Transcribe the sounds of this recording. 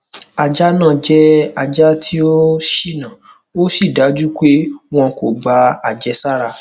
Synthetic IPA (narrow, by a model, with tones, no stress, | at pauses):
a˧d͡ʒa˦nã˦˨d͡ʒɛ˦a˧d͡ʒa˦tʰi˦o˦ʃi˦˨nã˨ | o˦si˦˨da˨˦d͡ʒu˦k͡pe˦w̃ɔ̃˧ko˨ɡ͡ba˨˧a˨d͡ʒɛ˨˧sa˦ɾa˧